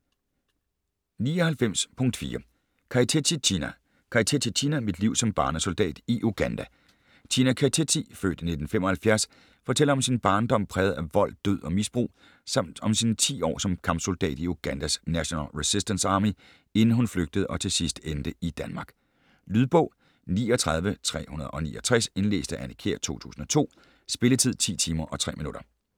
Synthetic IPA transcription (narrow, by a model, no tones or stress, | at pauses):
niːɒ̽hælfem̰spʰɔ̽ŋ̰d̥fḭːɐ | kʰɑ̈it͡sʰet͡sʰiinæ | kʰɑ̈t͡sʰet͡sʰit͡sʰinæmid̥liʊ̰sɒ̽mb̥ɑ̈ːnəso̝ld̥ɛ̰ːd̥iʔuɡ̥ænd̥æ | t͡sʰinækʰæt͡sʰet͡sʰifø̰ːd̥ne̝d̥n̩femɒ̽hælfjæɐs | fɒ̽t͡sʰel̰ɐɒ̽msinb̥ɑ̈ːnd̥ɒ̽m̰pʰʁɛːð̞̩ˠæʋɒ̽l̰d̥øð̰ˠɒ̽misb̥ʁṵː | sɑm̰d̥ɒ̽msint͡sʰḭːɒ̰ːsɒ̽mkʰɑ̈mb̥sold̥ɛ̰ːd̥iuɡ̥ænd̥æsnæɕo̝nælʁisisd̥ənsɑ̈ːmi | e̝nn̩ɦunfløɡ̥̚d̥əð̞̩ˠɒ̽t͡sʰe̝sisd̥end̥əid̥ænmɑ̈ːɡ̥ | lyðˠb̥ɔ̽ʊ̰ | nḭːɒt͡sʰʁɑ̈ðˠʋət͡sʰʁɛ̰ːhunɐð̞ˠɒ̽nḭːʔɒ̽t͡sʰʁɛse̝nle̝̰ːsd̥əʔænekʰe̝ɐ̰t͡sʰo̝̰ːt͡sʰṵːsn̩ɒ̽t͡sʰo̝̰ː | sb̥e̝lət͡sʰið̰ˠt͡sʰḭːt͡sʰiːmɐʔɒ̽t͡sʰʁɛ̰ːminuɾ̥ɐ